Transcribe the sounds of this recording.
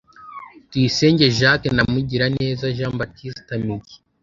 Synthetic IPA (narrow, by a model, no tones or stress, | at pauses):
twiːse̞ːɲɟe̞ʒaknamuɟiɾane̞ːzaʒaːmbatʰisi̥tamiɟi̥